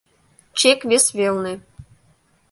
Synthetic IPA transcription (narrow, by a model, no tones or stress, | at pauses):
t͡ɕekβesβelne